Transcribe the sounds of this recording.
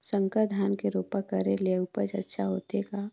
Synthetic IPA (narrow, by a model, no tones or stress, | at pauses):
sə̃ŋkəd̪ʱaːnkeɾoːpakəɾeleʊpət͡ʃə̰tːʃʰaɦoːt̪eɡa